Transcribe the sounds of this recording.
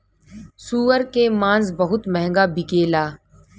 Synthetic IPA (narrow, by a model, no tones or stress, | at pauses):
suːʋəɾkemãːnzbəɦʊt̪mɛɦɛ̃ŋɡaːbʱɪkeːlaː